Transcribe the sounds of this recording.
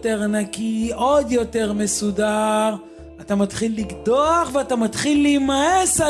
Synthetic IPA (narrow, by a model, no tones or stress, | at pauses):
te̞ʁanakio̞d̪jo̞te̞ʁme̞sudaʁ | atamat̪χilːiɡd̪o̞aχveatamat̪χilːijmaesa